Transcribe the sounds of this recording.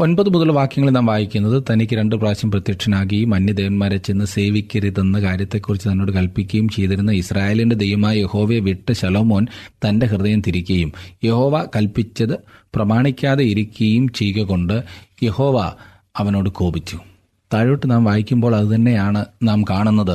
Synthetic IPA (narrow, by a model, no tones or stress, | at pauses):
o̞nbɐðɨmuðɐlʋaːkjɐŋːɐɭilnaːmʋaːjikʲːunːɐðɨt̪ɐnikʲːɨɾe̞ɳɖɨpraːɕjɐmprɐt̪jɐkʂɐnaːɣɐjumɐnjɐd̪e̞ːʋɐnmaːɾet͡ɕːenːɨse̞ːʋikʲːɐriðenːɐkaːɾjɐt̪ːe̞kːurit͡ɕːɨt̪ɐnːo̞ːɽɨkɐlpikʲːɐjumt͡ɕe̞jt̪iɾunːɐisraːje̞ːlinded̪ejʋɐmaːjɐje̞ho̞ːʋeʋiʈːɨɕɐloːmo̞ːnt̪ɐnde̞ɦrɨðɐjɐmt̪iɾikʲːɐjumje̞ho̞ːʋakɐlpit͡ɕːɐðɨprɐmaːɳikʲːaːðeiɾikʲːɐjumt͡ɕejkɐɣo̞ɳɖɨje̞ho̞ːʋa | ɐʋɐno̞ːɽɨko̞ːbit͡ɕːu | t̪aːɻoːʈːɨnaːmʋaːjikʲːumbo̞ːɭɐðɨt̪ɐnːe̞jaːɳɨnaːmkaːɳunːɐðɨ